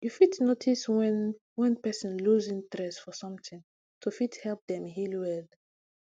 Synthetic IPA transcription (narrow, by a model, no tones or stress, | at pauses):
jufitnotʰiswɛ̃n | wɛ̃npɛsɔ̃nluzĩŋtɹɛsfɔsʌ̃mt̪ʰĩŋ | tʰufithɛlp̚d̪ɛ̃mɦilwɛð